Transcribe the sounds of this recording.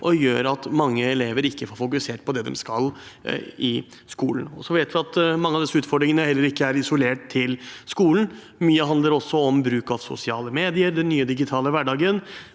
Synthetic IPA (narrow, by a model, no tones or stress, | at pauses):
ʔɔjø̰ːɾɑt̪mɑŋːəɛleːʋəɾɪkːəfoːɾfʊkʉseːʈ̚pʰɔd̪ɛd̪ɛ̰mskɑl | ɪ | skuːln̩ɔsɔʋeɪt̪ʋɪɑt̪mɑŋːəɑʋd̪ɪsːʉːt̪fɔɖɾɪŋənəhɛlːəɾɪkːəæɾɪsʊleːʈt̪ʰːɪlskuːln̩ | myːəɦɑnd̪əɾɔsːɔɔmbɾʉːkɑʋsʊ̰sɪɑːləmeːd̪ɪəɾd̪ɛnːyːəd̪ɪɡɪt̪ʰɑːləʋæɖɑːɡən